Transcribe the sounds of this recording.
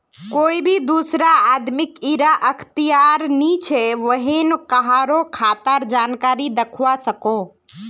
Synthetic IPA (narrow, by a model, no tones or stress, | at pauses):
koːibʱid̪uːsɾaaːd̪mɪkiɾaʔəkʰt̪ijaːɾnit͡ʃʰeʋəɦinkəɦaːɾokʰaːt̪əɾd͡ʒaːnkaːɾid̪əkʰwasəkoː